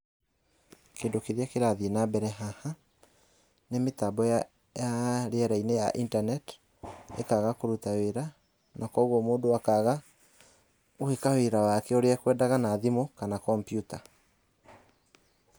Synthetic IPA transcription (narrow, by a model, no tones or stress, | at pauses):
keːndokeɾeakeɾaðenabɛɾɛɦaha | nemetabɔja | jaɾeɛɾaineja̰ʔintanɛt | ḛkaɣakoɾutaweɾa | nakɔɣɔmoːndowakaɣa | ohekaweɾawakɛoɾeakwɛːdaɣanaðimokanakɔmpjuta